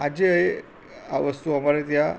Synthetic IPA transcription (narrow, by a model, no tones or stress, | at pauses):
ad͡ʑeəj | a̰ʋəst̪uamaɾet̪ja